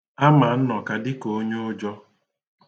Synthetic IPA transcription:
a˦ma˨n̩˦nɔ˨ka˨dɪ˦ko˦ɲo˦ʊ˦d͡ʒɔ˦

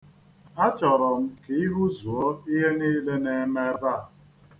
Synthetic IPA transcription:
ɦa˦t͡ʃɔ˨ɾɔ˨m̩˦ke˨i˦ɦu˦zu˨ɔ˦i˦ɦe˦niː˦le˦ne˦me˦ba˦˨

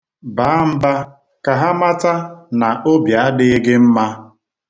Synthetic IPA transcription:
ba˨˦m̩˦ba˦ | ka˨ɦa˦ma˦ta˦na˨ʔo˦bja˨a˦dɪ˦ɪ˦ɡɪ˦m̩˦ma˦

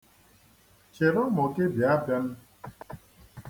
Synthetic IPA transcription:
t͡ʃe˨ɾɔ˦mɔ˨ke˦bja˨˦bja˦n̩˦

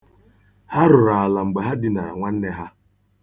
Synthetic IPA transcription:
ha˦ɾʊ˨ɾa˨a˨la˨ŋ͡m̩˨ɡ͡be˨ɦa˦dɪ˨na˨ɾa̰˨ŋʷa˦n̩˦ne˦ɦa˦

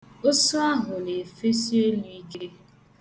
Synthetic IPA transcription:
o˦sʊ˦a˦ɦʊ˨le˨fe˦si˦e˦lu˦i˦ke˦

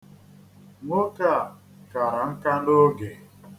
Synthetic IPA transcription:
ŋʷo˦ka˦˨ | ka˨ɾa˨ŋ̩˦ka˦n˦do˦ɡe˨

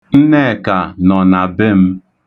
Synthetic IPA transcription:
n̩˦ne˦˨ka˨nɔ˨na˨bɪ˦m̩˦

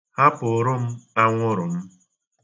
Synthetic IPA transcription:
ha˦pʊ˨ʊ˦ɾʊ˦m̩˦a˦ŋʷʊ˦ɾʊ˨m̩˦

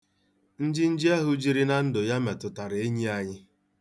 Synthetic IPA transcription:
n̩˦d͡ʒɪ˦n̩˦d͡ʒi˦a˦ɦʊ˦d͡ʒi˦ɾi˦na˦n̩˦dʊ˨ja˦me˨tʊ˨ta˨ɾe˦ɲi˦a˨ɲɪ˦

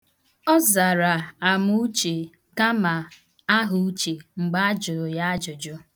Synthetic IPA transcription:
ɔ˦za˨ɾa˨a˨mu˦u˦t͡ʃe˨ | ka˦ma˨ | a˦ɦʊ˨u˦t͡ʃe˨ŋ͡m̩˨ɡ͡ba˦a˦d͡ʒʊ˨ɾʊ˨ja˦a˦d͡ʒʊ˨d͡ʒʊ˦

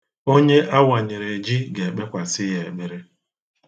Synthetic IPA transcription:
o˦ɲe˦ʔa˦wa˨ɲɪ˨ɾe˨d͡ʒi˦ɡe˨k͡pe˦kʷa˨sɪ˦ɦe˨me˦ɾe˦

